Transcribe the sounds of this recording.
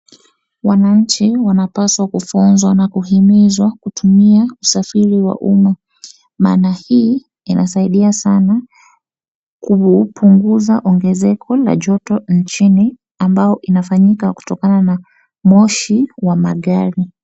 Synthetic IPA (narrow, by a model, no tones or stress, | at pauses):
wanaɲ̩t͡ʃiwanapaswakufunzwanakuɦimizwakutumiausafiɾiwa̰ʔuma | ma̰ːnahiː | inʔa̰saiɗiasana | kupʰuŋɡuzaʔɔŋɡɛzɛkʰɔla̰ʄɔtɔnt͡ʃini | ambajɔʔinafaɲikaku̥tɔkanana | mɔʃiwamaɠaɾi